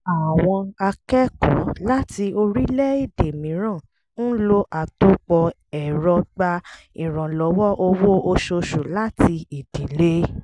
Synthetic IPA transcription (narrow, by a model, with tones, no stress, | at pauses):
a˨w̃ɔ̃˧a˧kɛ˦kɔ̰̃˨˦la˦ti˧o˧ɾi˦lɛ˦i˦˨de˨mĩ˨˦ɾ̃ã˦˨ | ñ̩˦lo˧ʔa˨to˦k͡pɔ˧ | ɛ˨ɾɔ˧ɡ͡ba˧ | ĩ˨ɾ̃ɔ̃˨lɔ˨˦wɔ˦ʔo˧wo˦o˧ʃo˧ʃo˨la˦ti˧i˨d̥i˨˦le˦